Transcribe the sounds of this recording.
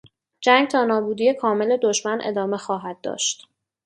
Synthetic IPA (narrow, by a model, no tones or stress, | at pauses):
d͡ʒæŋɡ̚t̪ʰɒːnɒːbuːd̪iːekʰɒːme̞le̞d̪oʃmænʔḛd̪ɒːmexɒːɦæd̪̚ːɒ̰ːʃt̪